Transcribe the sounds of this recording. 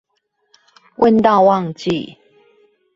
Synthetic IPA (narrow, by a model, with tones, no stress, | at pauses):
wʔə˥˧nt̪a˥˨ʊwɑ˥˨ŋt͡ɕḭ˥˨